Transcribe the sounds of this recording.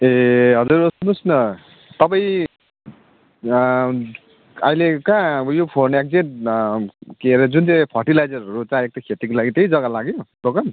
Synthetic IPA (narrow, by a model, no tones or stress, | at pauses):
eɦʌd͡zuɾosunusnʌ | t̪ʌpaĩ | ʌilekãjopʰonek̚d͡zeʈ | keɾed͡zunt͡sãjpʰʌʈilajd͡zʌɾʌɾut͡sãek̚t̪kʰet̪ikolaɡit̪ejd͡zʌɡalaɡjobokʌn